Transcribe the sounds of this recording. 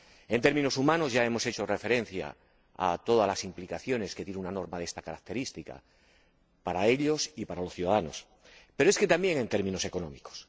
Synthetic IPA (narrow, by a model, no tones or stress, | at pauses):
e̞nt̪eɾmĩnosumãnozʝae̞mo̞se̞t͡ʃo̞refe̞ɾẽ̞n̟θja̰ | a̰t̪o̞ðalasimplikaθjo̞ne̞ske̞t̪jeneunano̞ɾmaðest̪akaɾak̚t̪e̞ɾist̪ika̰ | paɾae̞ʎo̞sipaɾalo̞sθjuðaðano̞̰s | pe̞ɾoe̞ske̞t̪ambje̞ŋe̞nt̪e̞ɾmĩno̞se̞ko̞nõ̞miko̥s